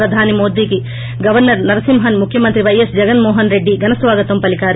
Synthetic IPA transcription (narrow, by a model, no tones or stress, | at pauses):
ɾɐd̪ʱaːnimoːd̪iki | ɡɐʋɐɾnɐɾnɐɾɐsimɦɐnmukʰjɐmɐnt̪ɾiʋɐjesd͡ʒɐɡɐnmoːɦɐnɾeɖːiɡɐnɐsʋaːɡɐt̪ɐmpɐlikaːɾ